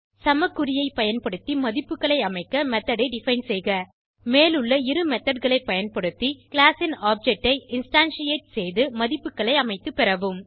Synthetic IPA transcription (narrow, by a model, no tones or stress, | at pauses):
sɐmɐkːɯɾɪjɐɪpːɐjɐnpɐɽɯt̪ːimɐðɪpːɯkːɐɭɐɪɐmɐɪkːɐmɛt̪ːɐɽɐɪɖɪfɐɪnsɛjɣɐ | meːlɯɭːɐɪɾɯmɛt̪ːɐɖɣɐɭɐɪpːɐjɐnpɐɽɯt̪ːikɭaːsɪnaːp̚d͡ʒɛk̚ʈːɐɪɪnsʈaːnsɪjeːʈ̚sɛjðɯmɐðɪpːɯkːɐɭɐɪɐmɐɪt̪ːɯpːɪɾɐʋɯm